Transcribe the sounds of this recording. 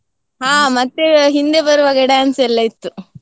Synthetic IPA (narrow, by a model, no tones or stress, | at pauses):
ɦaːmɐt̪ːeɦind̪ebɐɾuʋɐɡɐɽaːnsɛlːɐit̪ːu